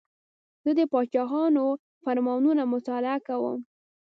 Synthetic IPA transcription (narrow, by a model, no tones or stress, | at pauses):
z̥əd̪əpɑt͡ʃɑɣɑno | faɾmɑnunamʊt̪ɑlɪakawə̰m